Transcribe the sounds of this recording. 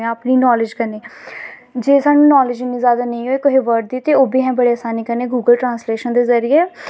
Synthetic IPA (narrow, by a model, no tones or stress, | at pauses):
ãəpniːnɔːlɪd͡ʒkəneː | d͡ʒeːsaːnũːnɔːlɪd͡ʒɪnĩːzjaːd̪aːnə̃ĩːɦoːeːkoɦiːʋəɾʈ̚d̪iːt̪eːoːbiːɦɛ̃ːbəɽeːəsaːniːkəneːɡuːɡəlʈɾãːnsleːʃənd̪eːzəɾɪeː